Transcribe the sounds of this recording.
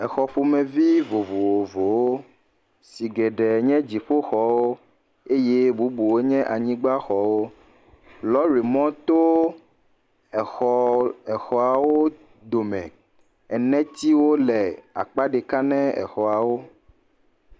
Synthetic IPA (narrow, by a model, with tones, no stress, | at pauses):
ɛ˨xɔ˨ɸu˦mɛ̃˨vi˦vo˨vo˨wo˨vo˨wo˦ | si˨ɡɛ˨ɖɛ˨ɲɛ̃˦d͡ʑi˨ɸo˦xɔ˨wo˦ | e˦je˦bu˦bu˨wo˦ɲɛ̃˦ʔa˨ɲĩ˦ɡ͡ba˦xɔ˨wo˦ | lɔ˦ɾi˨mɔ̃˦t̪o˦ | ɛ˨xɔ˨ɛ˨xɔ˨a˨wo˦ | d̪o˨mɛ̃˨ | ɛ˨nɛ̃˦t̪i˦wo˦lɛ˨a̰˨k͡pa˦ɖe˨ka˦nɛ̃˦ɛ̰˨xɔ˨a˨wo˦